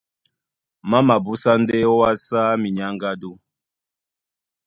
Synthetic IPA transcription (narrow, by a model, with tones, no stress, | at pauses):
ma˦ma˨bu˦sa˦n˦dɛ˦wa˦sa˦mi˨ɲa˦ŋ˦ɡa˦du˦